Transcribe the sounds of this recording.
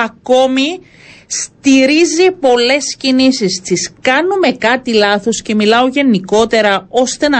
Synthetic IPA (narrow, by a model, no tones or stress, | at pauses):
ɐko̞mi | st̪iɾizipo̞le̞scinisist̪iskɐnume̞kɐt̪ilɐθo̞sce̞milɐo̞ʝe̞niko̞t̪e̞ɾɐo̞st̪e̞nɐ